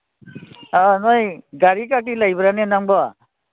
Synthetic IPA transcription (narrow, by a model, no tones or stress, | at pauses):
anɔjɡaɾikak̬ilajbɾanɛnaŋbɔa